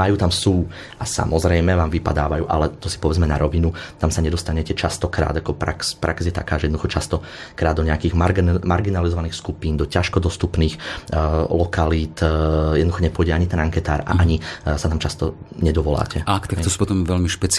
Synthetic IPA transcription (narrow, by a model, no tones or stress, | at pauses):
majuːt̪amsuː | ʔasa̰mɔzɾɛjmɛʋaːmʋipa̰d̪aːʋajṵːʔa̰lɛt̪ɔsi̥pɔʋɛd͡zmɛnaɾɔʋinut̪amsaɲɛd̪ɔst̪aɲɛcɛt͡ʃast̪ɔkɾa̰ːd̪akɔpɾa̰kspɾʔa̰kzjɛt̪a̰kaːʒɛjɛd̪nɔduxɔt͡ʃast̪ɔkɾaːd̪ɔɲɛakiːɣmaɾmaɾɡinalizɔʋaniːxskupiːnd̪ɔcaʃkɔd̪ɔst̪upniːx | lɔkaliːt̪jɛdnd̪uxɔɲɛpʊɔjɟɛaɲit̪ɛnaŋkɛt̪aːɾa̰aɲisat̪amt͡ʃast̪ɔ | ɲɛd̪ɔʋɔla̰ːcɛakt̪akk̪ɔsu̥pɔt̪ɔmʋɛlmiʃpɛt͡s